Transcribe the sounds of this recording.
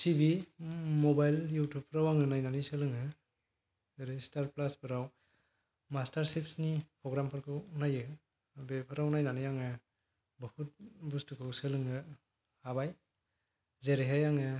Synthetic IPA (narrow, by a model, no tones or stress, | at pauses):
tʰibimobajljutʰup̚ʰɯɾawaŋɯnajnanisɯlɯŋɯ | zeɾestaɾplaspʰɯɾaw | mastaɾsep̚snipɾɔɡɾampʰaɾkʰɯwunajɯ | bepʰɯɾawnajnanɯjaŋɯ | bɯhut̚bustukʰɯwsɯlɯŋɯ | abaj | zeɾeɦajaŋɯ